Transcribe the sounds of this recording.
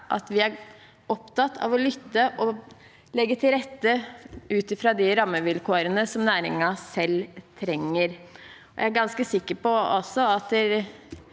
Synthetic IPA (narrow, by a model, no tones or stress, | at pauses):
ʔɑ̰t̪ʋɪæɾ | ɔpt̪ʰɑt̪ːʰɑ̰ʋɔlʏt̪ːəʔɔ | lɛɡːət̪ʰɪlɾɛt̪ːəʉːt̪ɪfɾɑd̪ɪɾɑmːəʋɪlkːɾənəsɔmnæːɾɪ̰ŋɑsɛlt̪ʰɾɛŋːəɾ | ɔjæɪæɾɡɑnskəsɪkːəɾpɔɔsɔɑt̪ɛɾ